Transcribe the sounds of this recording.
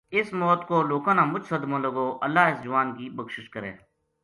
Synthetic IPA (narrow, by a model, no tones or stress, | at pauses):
ɪsmɔːt̪koːloːkãːnãːmʊd͡ʒsəd̪mõːləɡoːʔəlːaːɪsd͡ʒʊʋaːnkiːbəkʃɪʃkəɾḛ̃ː